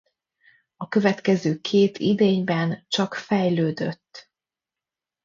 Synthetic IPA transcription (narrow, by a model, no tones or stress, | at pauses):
ɒkø̞vɛt̪kɛzøːkʰeːt̪ʰḭd̪eːɲbɛnt͡ʃɒkfɛjløːd̪øt̪ː